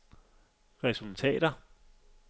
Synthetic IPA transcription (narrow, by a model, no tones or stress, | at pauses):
ʁɛsult͡sʰɛ̰ːɾ̥ɐ